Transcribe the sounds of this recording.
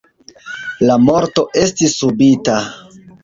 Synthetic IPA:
lamo̞ɾto̞ʔe̞stisːubita

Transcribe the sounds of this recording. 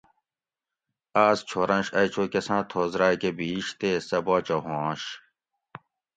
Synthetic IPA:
aːst͡ɕʰoːɾɐ̃nɕɐjt͡ɕʰoːkɐsãːt̪ʰoːzɾaːkebiːɕt̪eːsɐbaːt͡ɕɐɦõːɕ

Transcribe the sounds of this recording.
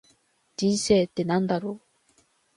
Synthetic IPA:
d͡ʑĩnseːt̪ːenãnd̪aɾoː

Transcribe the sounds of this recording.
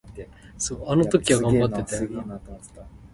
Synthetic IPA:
soːanot̪o̞kʲiβaɡãmmbat̪ːe̞t̪e

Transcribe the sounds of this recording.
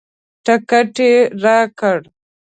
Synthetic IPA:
ʈakaʈeɾaːkəɽ

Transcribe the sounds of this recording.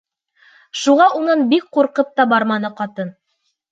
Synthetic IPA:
ʃuʁɑʔunɤnbik̚quɾqɤp̚t̪ɑbɑɾmɑnɤqɑt̪ɤn

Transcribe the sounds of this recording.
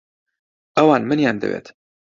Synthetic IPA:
ʔɐwɑːnmɨnjaːnd̪ɐ̰wḛːt̪

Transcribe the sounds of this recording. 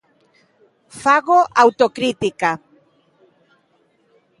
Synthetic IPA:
faɣoʔawt̪okɾit̪ika

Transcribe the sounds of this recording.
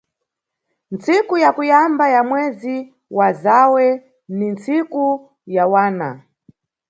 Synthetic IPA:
nt͡sikujakujambajamwɛzi | wazawɛ | nint͡siku | jawaːna̰

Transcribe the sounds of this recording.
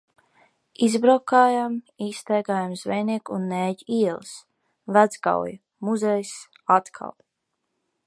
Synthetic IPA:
izbɾawkaːjam | iːst̪ajɡaːjamzvɛjniɛkunːɛːɟiɛlˠs | væd̪zɡa̰wj | muzɛjs | at̪kʰa̰lˠ

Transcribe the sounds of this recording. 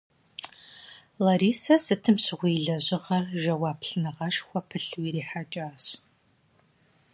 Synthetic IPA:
lɐɾiːsɐsɨtʰɨmɕɪʁʷiːɮɐʑɪʁɐrʒɐwaːpʰɬɨnɨʁɐʃxʷɔpʰɨɬwiɾiːħat͡ʃʼaːɕ

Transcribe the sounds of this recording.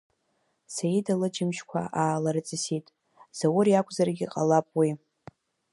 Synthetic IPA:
sajidalɨd͡ʒɪmʃkʷʰa̰ʔaːlaɾɨt͡sʼɨsitʼ | z̥awʊɾijakʷʼzarɡʲiqʼalapʼwi

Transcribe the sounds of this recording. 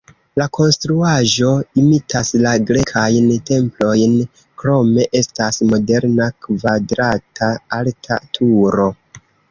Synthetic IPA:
lakʰo̞nstɾuaʒo̞imitʰaslaɡɾe̞kʰajnte̞mplo̞jn | kɾo̞me̞ʔe̞stasmo̞de̞ɾnakvadɾatʰaaltʰatʰuɾo̞

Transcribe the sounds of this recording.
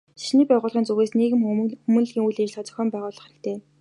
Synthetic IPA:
ʃi̥ʃniːpæːʁʊːɮʁ̥iːnt͡suɣeːsneːɣɘ̆mxumɵ̆n̆ɮɣiːŋujɮeːt͡ɕɮat͡sœ̥̆xʲɔːmpæːʁʊːɮɞ̆χæɾɘ̆kt̪ʰeː

